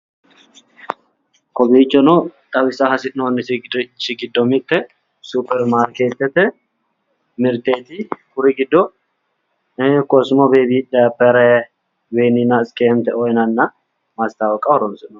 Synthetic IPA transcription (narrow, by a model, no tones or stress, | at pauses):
kɔbiːt͡ʃːɔnɔt̪ʼɐwɪsɐhɐsɪnonːɪst͡ʃːɪɡɪd̪ːɔmɪt̪ːɛ | supɛɾmaːɾkeːt̪ːɛt̪ɛ | mɪɾt̪eːt̪ɪkʊɾɪɡɪd̪ːɔ | kɔsmɔbeːbiːdɐpːɛɾɛ | wenɪnɐɪskeːmt̪ɛɔjnɐnːɐ | mɐst̪awɔkʼːɐwɔɾɔmsɪnɔ